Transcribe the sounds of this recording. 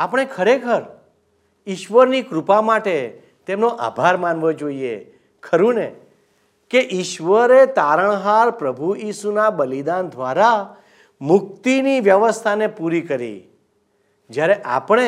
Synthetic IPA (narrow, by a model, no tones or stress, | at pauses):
apəɽ̃ekʰəɾekʰəɾ | iʃʋəɾnikɾupamaʈe | t̪emnoʔa̰bʱaɾmanʋod͡ʒoiḛ | kʰəɾũne | keʔiʃʋəɾet̪aɾəɳ̃ɦaɾpɾəbʱuisunabəlid̪and̪ʱʋaɾa | mʊk̚t̪iniʋjəʋəst̪ʰanepuɾikəɾḭ | d͡ʒjaɾeʔa̰pɽ̃e